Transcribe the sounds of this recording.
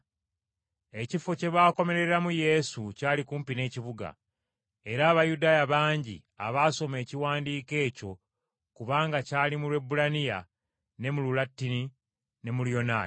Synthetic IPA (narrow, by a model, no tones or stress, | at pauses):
e̞cifoce̞βaːko̞me̞ɾe̞ɾamuje̞sucaːlikuːmpine̞ːciβuɡa̰ | e̞ɾaːβajudaːjaβaːɲɟḭ | a̰βaːso̞me̞ːciwaːndiːke̞ːco̞ | kuβaːŋɡacaːlimulwe̞bːulanija̰ | ne̞mululatːini | ne̞muljo̞na̰ː